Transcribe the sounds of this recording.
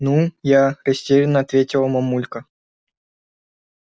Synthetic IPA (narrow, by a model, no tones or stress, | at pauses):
nujaɾʲɪsʲtʲeɾʲɪnːəɐt̪vʲetʲɪlˠmɐmulʲkə